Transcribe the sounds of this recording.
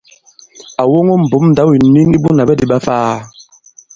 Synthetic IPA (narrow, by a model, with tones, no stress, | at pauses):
a˨wo˦ŋo˦m̩˨bo˨˦mn̩˨da˨˦wi˨ni˦ni˦bu˦na˨bɛ˦di˦ɓa˦faː˦